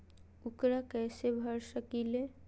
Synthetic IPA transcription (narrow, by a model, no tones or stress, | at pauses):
ukɾakɛsebʱəɾsəkile